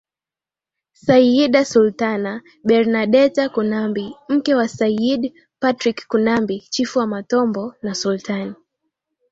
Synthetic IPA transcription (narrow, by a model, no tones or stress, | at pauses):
saiɗasultana | ɓɛɾnaɗɛtakunambim̩kɛwasaiɗ | patɾikkunambit͡ʃifuamatɔmbɔnasultani